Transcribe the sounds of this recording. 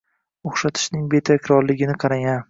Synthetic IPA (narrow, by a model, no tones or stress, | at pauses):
oχʃat̪ʰɪ̥ʃnɪŋbe̞t̪ʰakʲɾɒɾlɪɡʲɪnɪqʰɑɾaŋʲan